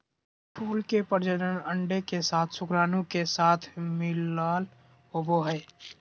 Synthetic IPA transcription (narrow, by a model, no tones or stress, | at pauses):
pʰuːlkepəɾd͡ʒələnəɳɖekesaːt̪ʰsʊkɾaːnũkesaːt̪ʰmɪlaːl | ɦoboɦɛe